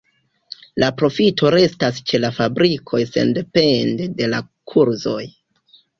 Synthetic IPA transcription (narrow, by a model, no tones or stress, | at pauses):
lʔapɾo̞fitʰo̞ɾe̞stast͡ʃe̞lafabɾikʰo̞jse̞̰nde̞pe̞ndede̞la | kʰuɾzo̞̰j